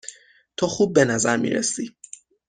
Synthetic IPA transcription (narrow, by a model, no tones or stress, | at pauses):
t̪ʰɒːxuːb̚ːe̞næzæɾmḭːɾḛsi